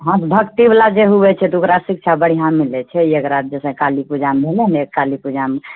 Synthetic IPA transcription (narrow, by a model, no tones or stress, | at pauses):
ɦãt̪bʱəkt̪iblad͡ʒeɦubɛt͡ʃʰɛt̪ukɾasik̚t͡ʃʰabəɽ̤ijãmilɛt͡ʃʰɛekɾat̪̚d͡ʒesɛ̃kalipud͡ʒamɦelɛnekalipud͡ʒam